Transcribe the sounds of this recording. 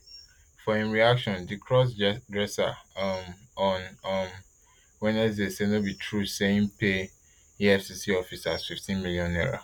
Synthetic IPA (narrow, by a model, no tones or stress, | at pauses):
fɔẽnɹiakʃɔ̃ndikʰɹɔs̬dɹɛsa̰mɔnʌm | wɛ̃nɛsdesenobitʰɹuseĩŋpe | iɛfsisiɔfisasfiftʰĩnmiljɔ̃nɔ̰ɹo̰